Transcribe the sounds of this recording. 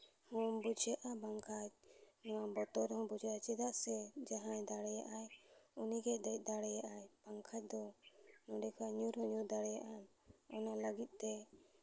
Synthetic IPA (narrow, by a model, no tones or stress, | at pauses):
hɔmbud͡ʒjaʔabaŋkʰac̚nɔwabɔt̪ɔɾhɔ̃bud͡ʒaʔat͡ʃɛd̪aʔsɛd͡ʒaɦãjd̪aɽɛjaʔajuniɡɛd̪ac̚ˀd̪aɽɛjaʔajb̥aŋkʰac̚d̪ɔnɔɖɛkʰaɲuɾɦɔɲud̪aɽɛjaʔan | ɔnaləɡit̪̚ˀt̪ɛ